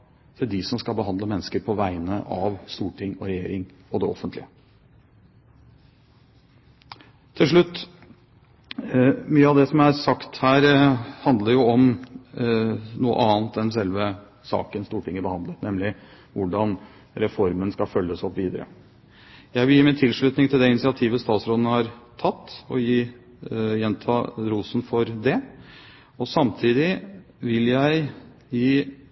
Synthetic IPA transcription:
t̪ʰɪd̪ɪsɔmskɑlbəɦɑnd̪ləmɛnːəskəɾpʰɔʋæɪnəʔɑʋst̪uːʈʰɪŋːɔɾɛjeːɾɪŋɔd̪ɛɔfːənt̪lɪə | t̪ʰːɪlʂ̬ɭʉt̪ː | myːəɑʋd̪ɛsɔmæɾsɑkt̪hæːɾhɑnd̪ləɾjʊɔm | nuːə̰ʔɑːnt̪ɛnsɛlʋə | sɑ̰ːkənst̪uːʈʰɪŋːəbəhɑnd̪ət̪nɛmlɪ | ʋʊɖɑn | ɾɛfɔɾmənskɑfœlːəsɔpʋiːd̪ə̰ɾə̰ | jæɪʋɪljiːmɪnt̪ʰɪlʂɭʉːt̪nɪŋt̪ʰɪld̪ɛɪnɪsɪɑt̪ʰiːʋəst̪ɑːt̪sɾoːd̪ənhɑɾt̪ʰɑt̪ːɔ̰jiː | jɛnt̪ʰɑːɾuːsn̩fɔɾd̪ɛ | ɔsɑmt̪ʰiːd̪ɪ | ʋɪljæɪ | jiː

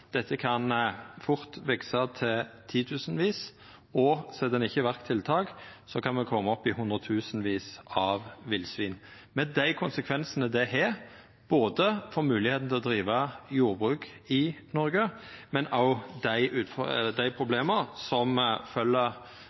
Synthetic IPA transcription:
d̪̥ɛt̪ːəkʰɑnfʊʁt̪ʋɛksɑt̪ʰɪlt̪ʰiːt̪ʰʉːsənʋiːs | ɔsɛd̪ɛnɪçːəʋæʁkt̪ʰːɪlt̪ʰɑːɡsɔkʰɑnmɛkʰɔmːəɔpːɪɦʊnd̪ɾʁət̪ʰʉːsənʋiːsɑʋʋɪlsʋiːn | mɛnd̪æɪkʰʊnsəkʰʋɛnsənəd̪ɛɦɛːʁ | b̥oːd̪əfoːmʉːlɪheːt̪n̩t̪ʰɛlɔd̪ɾiːʋɑjuːʁbʁʉːkɪnɔɾɡəmɛnɑʊd̪æɪʔʉːt̪fd̪æɪpʰʁʊbleːməsɔmfœlːə

